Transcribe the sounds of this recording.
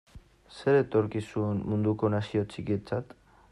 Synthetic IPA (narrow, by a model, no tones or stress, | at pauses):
se̞ɾet̪o̞ɾkisue̞nmund̪uko̞nasio̞t͡sikiet͡sat̪